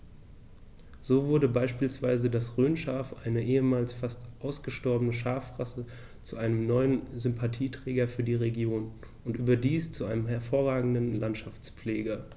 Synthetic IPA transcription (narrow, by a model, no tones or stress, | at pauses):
z̥oːvʊɐdəbaɪʃpiːlsv̥aɪzədasʁøːnʃaːfʔa̰ɪnəʔeːəmaːlsfastʔaʊsɡ̥əʃtɔɐbənəʃaɐfʁasə | t͡suʔaɪnəmnɔʏənzʏmpʰatʰiːtʁ̥ɛːɡɐfyːɐdiːʁeɡjoːn | ʔʊntʔyːbɐdiːst͡suʔaɪnəmɦɛɐfoːɐʁaːɡŋ̩dənlantʃaft͡spp͡fleːɡɐ